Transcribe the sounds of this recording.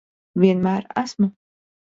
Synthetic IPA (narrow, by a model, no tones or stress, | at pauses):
viɛnmæːɾæ̰smɨ